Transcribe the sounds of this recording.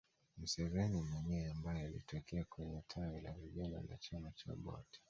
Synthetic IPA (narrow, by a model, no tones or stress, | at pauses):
m̩sɛvɛnimaɲɛambajɛalḭtɔkɛakwɛɲɛtʰawɛla̰viʄala̰na̰t͡ʃamat͡ʃa̰ɓɔ̰ti̥